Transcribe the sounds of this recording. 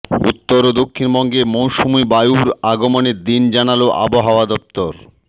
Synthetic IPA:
ṵt̪ːoɾod̪okʰːinbɔŋɡemowʃumibajuɾaɡomoneɾd̪ind͡ʑanaloʔa̰boɦaoad̪ɔp̚t̪oɾ

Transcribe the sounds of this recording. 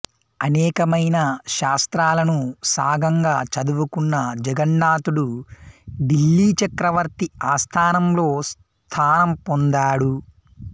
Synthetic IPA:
ɐnɛːkɐmɐjnɐʃaːst̪ɾaːlɐnusaːɡʱɐŋɡaːt͡ʃɐd̪uʋukunːɐd͡ʒɛɡɐɳːaːt̪uɽu | ɖilːiːt͡ʃɐkɾɐʋɐɾt̪iaːst̪ʰaːnɐmlo̞ːs | t̪ʰaːnɐmpond̪aːɽu

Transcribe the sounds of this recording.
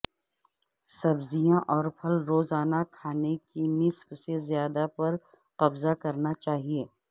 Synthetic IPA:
sɐbzijãʔɔːɾpʰɐlɾoːzaːnakʰaːnekinɪswsezjaːd̪apɐɾ | qɐbzakɐɾnat͡ʃaːɦieː

